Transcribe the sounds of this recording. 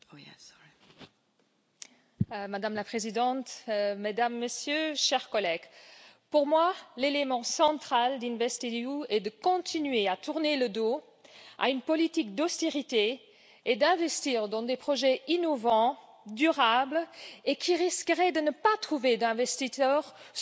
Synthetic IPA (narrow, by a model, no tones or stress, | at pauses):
mad̪amlapχezid̪ɑ̃t̪med̪amːəsjøʃɛʁkɔlɛɡ̥ | puʁmwalelemɑ̃sɑ̃t̪χald̪ĩnvɛst̪iuɛd̪əkɔ̃t̪ʰinɥeat̪uʁneləd̪o | a̰ynpɔlit̪ikd̪ɔst̪eʁit̪e | ed̪ɛ̃vɛst̪iːʁd̪ɑ̃d̪epχɔʒɛinɔvɑ̃ | d̪yʁablekʲʰiʁiskəʁɛd̪ənəpat̪χuved̪ɛ̃vɛst̪isœʁ